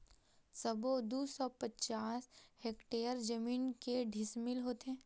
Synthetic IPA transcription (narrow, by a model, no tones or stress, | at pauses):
sɐbod̪uːsɔpɐt͡ʃaːsheːkʈeːəɾd͡ʒɐmiːnkeɖʱɪsmɪlɦoːt̪eɦɛ̃ː